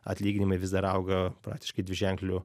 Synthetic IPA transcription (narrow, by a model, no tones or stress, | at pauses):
ɐ̰t̪ʲlʲiːɡʲɪnʲɪmɐɪʋʲɪzd̪ɐɾɐʊɡɐpɾɑ̰ːk̚t̪ʲɪʃkɐɪd̪ʲʋʲɪʒʲɛŋklʲʊ